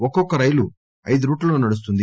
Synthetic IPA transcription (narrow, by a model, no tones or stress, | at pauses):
ɔkːɔkːɐɾɐjlu | ɐjd̪uɾuːʈlɐloːnɐɽus̬t̪und̪i